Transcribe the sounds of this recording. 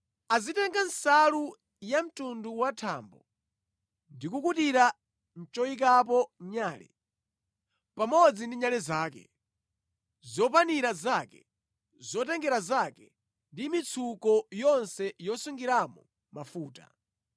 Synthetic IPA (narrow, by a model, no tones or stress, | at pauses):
azitɛŋɡansalu | jam̩tunduwatʰa̰ːmbɔ | ndikukutiɾa | n̩t͡ʃɔik̬ap̬ɔɲaːlɛ̰ | pamɔd͡zindiɲalɛzaːkɛ̰ | zɔpaniɾazakɛ | zɔtɛŋɡɛɾazakɛ | ndimit͡sʰukɔjɔnsɛjɔsuŋɡiɾamɔ | mafuːta̰